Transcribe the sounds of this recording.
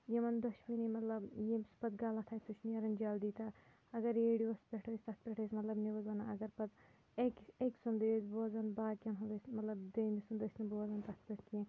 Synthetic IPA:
jemɐnd̪ɐʃbinimɐt̪lɐbjespɐt̪ɡaːlɐt̪ʰaːjt̪ut͡ʃʰniɐɾɐnd͡ʒaːld̪iːt̪a | ɐɡɐɾeɽiɐspʲeʈʰosʲt̪ɐt̪̚ʰpʲɛʈʰɐsʲmɐt̪lɐbneʋɐzɐnaɐɡɐɾpɐt̪ | ekeksund̪esboːzɐnbaːd̪kʲɐnɦod̪ɐsmɐt̪lɐbd̪eːmisund̪əsnɐboːzɐnt̪ɐt̪̚ʰpʲeʈʰkiẽ

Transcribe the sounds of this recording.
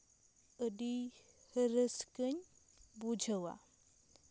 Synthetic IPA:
əɖihəɾəskəɲʲ | bud͡ʒʱəwa̰

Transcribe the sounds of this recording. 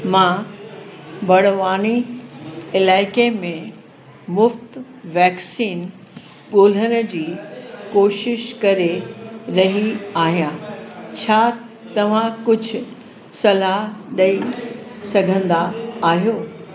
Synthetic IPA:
mã | bɐɽ̤ʋaːni | ɪlaːɪkemẽ | mʊft̪ | ʋɛːksiːn | ɠoːl̤ənə̆d͡ʑiːkoːʃɪʃkɐɾeɾɐɦiaːɦijãt͡ɕʰaː | t̪ɐʋ̤ãkʊd͡ʑʱʊ | sɐlaɦɗɐisɐɡʱə̃nd̪aːɦijoː

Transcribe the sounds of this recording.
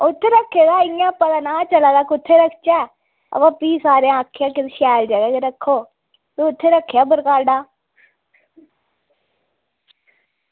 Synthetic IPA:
ʊt̪ʰːeɾɐkʰːeːɡaːɪjãːpəd̪aːnaːt͡ʃəlaːd̪aːkʊt̪ʰːeɾəkʰt͡ʃaː | ɐ̰ʋapiːsaːɾẽãːkʰejãːkɪt̪ʃaːld͡ʒaːɡaːkeɾəkʰːoː | t̪oʊt̪ʰːeɾəkʰjaːbəɾkaːɾɖaː

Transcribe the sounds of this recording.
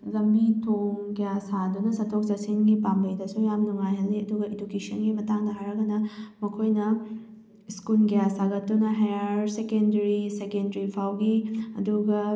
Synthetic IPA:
lɐmbitʰoŋɡijasadunɐsɐtʰok̚sɐsinɡipambɐjdɐsujamnuŋajɦɐlːiɐduɡɐedukesɐnɡimɐtaŋdɐɦaɾɐɡɐnɐmɐkʰojnɐ | iskulɡijasaɡɐtːdunɐɦajaɾsekendɐɾisekendɾipʰawɡiɐ̰duɡɐ

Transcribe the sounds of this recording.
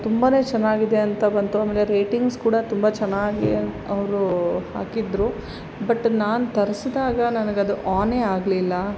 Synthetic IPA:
t̪umbaːne̞ːt͡ʃɛnːaːɡid̪e̞ɐnt̪ɐbɐnt̪uaːmeːleɾeːʈiŋɡskuːɽɐt̪umbɐt͡ʃɛnːaːɡi | ɐʋɾuha̰ːkid̪ɾu | bɐʈːnaːnut̪ɐɾsd̪aːɡɐnɐnɡeɐd̪uʔaːneːaːɡlilːɐ

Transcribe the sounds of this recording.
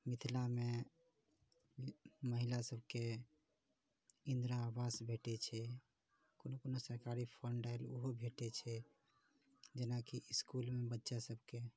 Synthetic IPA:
mit̪ʰilame | məɦilasəbʱke | ĩnd̪ɾaːbasbʱeʈɛt͡ʃʰɛ | konokonosəɾkaɾipʰəɳɖalo̰ɦobʱeʈɛt͡ʃʰɛ | d͡ʒenakiiskulmebətːʃasəbʱke

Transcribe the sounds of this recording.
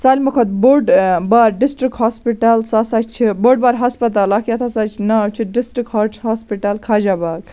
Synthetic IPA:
salʲmɐkʰɐt̪̚boɾɖbɐɾɖisʈɾikɦospiʈɐlsasat͡ʃt͡ʃʰiboɾɖ̚baɾɦɐspɐt̪̬alakjɐt̪ʰasat͡ʃʰnɐt͡ʃʰiɖisʈɾikɦoɦaspiʈɐlkʰad͡ʒabaɡ̚

